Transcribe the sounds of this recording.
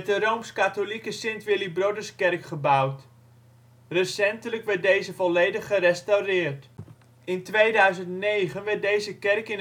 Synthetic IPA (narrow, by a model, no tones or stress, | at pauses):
ɛtdərowmskatolikəsɪntʋɪlibrodərskɛrkχəbawt | rəsɛntələkʋɛrt̚dejzəvɔlejdəχːərɛstawrɪərt | ɪntʋejdœɥzəntnejɣənʋɛrt̚dejzəkɛrkɪn